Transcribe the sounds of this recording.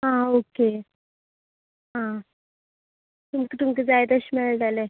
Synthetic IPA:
ɦãoke | ɦã | t̪umkit̪umkid͡zajt̪əɕimɛɭʈale

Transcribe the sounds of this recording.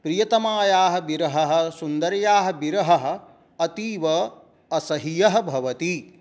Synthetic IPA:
pɾijɐt̪ɐmaːjaːɦɐ̆biɾɐɦɐɦɐ̆sund̪ɐɾjaːɦɐ̆biɾɐɦɐɦɐ̆ | ɐt̪iːʋɐ | ɐsɐɦijɐɦɐ̆bʱɐʋɐt̪i

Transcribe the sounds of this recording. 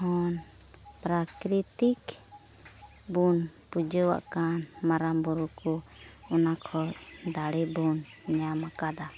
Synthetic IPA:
ɦɔn | pɾakɾit̪ik | bunpud͡ʒəwa̰ʔkanmaɾambɔɾukɔɔnakʰɔd̪aɽibun | ɲamakad̪a

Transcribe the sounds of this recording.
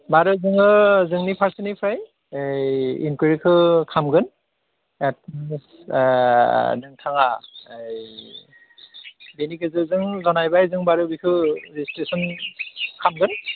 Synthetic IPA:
baɾɯzɯŋɯzɯŋnipʰaɾsinipʰɾaj | ejḭnkiɾikʰɯkʰamɡɯn | et̚s | nɯŋtʰaŋaej | benikʰɯzɯzɯŋzɔnajbajzɯŋbaɾɯbikʰɯɾisi̥tɾisɔn | kʰamɡɯn

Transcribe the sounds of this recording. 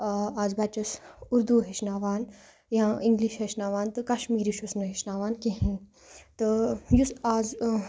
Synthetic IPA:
aːzbat͡ʃɐsuɾd̪uɦeʃnaːʋaːn | jãĩŋɡliʃɦɐʃnaːʋaːnt̪ɨkɐʃmiːɾiʃusnɐɦeʃnaːʋaːnkĩɦĩ | t̪ɨjusaːz

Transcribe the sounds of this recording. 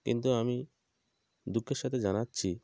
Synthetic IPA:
kḭnt̪uami | d̪ukʰːeɾʃat̪ʰed͡ʑanatːɕʰi

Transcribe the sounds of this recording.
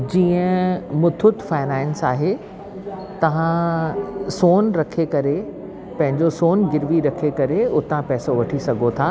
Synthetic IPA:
d͡ʑiːə̃mʊt̪ʰʊt̪faːɪnaːɪnsaːɦe | t̪ɐʋ̤ã | soːnɾɐkʰekɐɾe | pɐ̃ɦɪ̃ɲd͡ʑosoːnɡɪɾʋiɾɐkʰekɐɾeʊt̪ãpɛːsoʋɐʈʰisɐɡʱot̪ʰaː

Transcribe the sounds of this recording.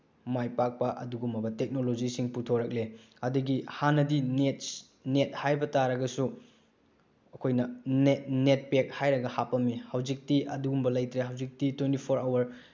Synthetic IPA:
majpak̚pɐʔɐ̰duɡumɐbɐtek̚nolod͡ʒisiŋputʰoɾɐk̚le | ɐduɡihanɐdinet̚ | net̚hajbɐtaɾɐɡɐsu | ɐkʰojnɐnetnet̚pek̚hajɾɐɡɐhapɐmːihɐwd͡ʒik̚tiʔɐduɡumbɐlɐjtɾeɦɐwzik̚titwentipʰoɾawɐɾ

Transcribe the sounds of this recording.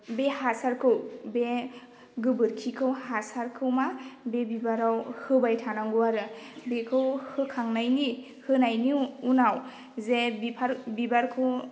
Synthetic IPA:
behasaɾkʰɯwbe | ɡɯbɯɾkʰikʰɯwhasaɾkʰɯwmabebibaɾawhɯbajtʰanaŋɡuwaɾɯbekʰɯwhɯkʰaŋnajni | hɯnajniunaw | zebipʰaɾbibaɾkʰɯw

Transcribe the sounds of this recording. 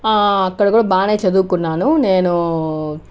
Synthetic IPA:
aːɐkːɐɽɐkuːɽaːbaːnejt͡ʃɐd̪uːkunːaːnuneːnu

